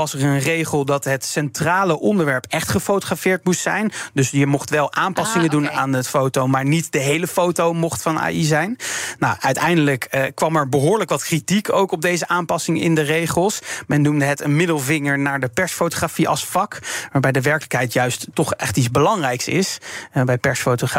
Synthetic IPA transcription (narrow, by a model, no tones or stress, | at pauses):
ʋɑsərənrejχəlˠdɑtɦətsɛntraːləʔɔndəɹʋɛɹpɛχtχəfowtoχrafɪːɹt̚mustsɛ̰jndɵsjəmɔχtʋɛlˠʔaːmpɑsɪŋədunaːnətfowtowmaːɹnitdəɦejləfowtowmɔχtfɑna̰ːizɛjnnawʔœɥtɛjndələkkːʋɑmɛɹbəɦʊːɹləkʋɑtkritikowkɔb̚dejzəʔaːmpɑsɪŋɪ̰ndərejχəlˠsmɛnːumdəɦətənmɪdəlˠvɪŋəɹnaːɹdəpɛɹsfowtoχrafiʔɑ̰lˠsfɑkʋaːɹbɛjdəʋɛɹkələkɦɛjtjœɥsttɔχɛχtizbəlɑŋrɛjksɪ̰sbɛjpɛɹsfowtoχa